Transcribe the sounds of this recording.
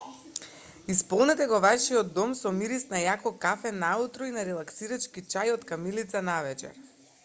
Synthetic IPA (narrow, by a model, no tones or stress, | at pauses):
ispɔlˠnɛt̪ɛɡɔvaʃiɔd̪ːɔmsɔmiɾisnajakɔkafɛnaut̪ɾɔinaɾɛlˠaksiɾat͡ʃkit͡ʃajɔt̪kamilit̪sanavɛt͡ʃɛ̰ɾ